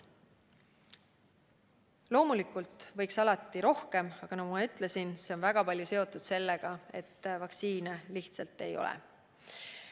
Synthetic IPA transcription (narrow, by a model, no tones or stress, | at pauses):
lo̞ːmulikːult̪ːˑvɤ̞jksɑlɑt̪ːˑiɾo̞hke̞mɑɡ̥ɑnɑɡumɑyt̪ːˑle̞sinse̞o̞nvæɡ̥ɑpɑlʲjuse̞o̞t̪ːˑud̪̥se̞lːe̞ɡ̥ɑe̞̰t̪ːvɑksiːneliht̪sɑlt̪ːe̞̰jo̞̰l̰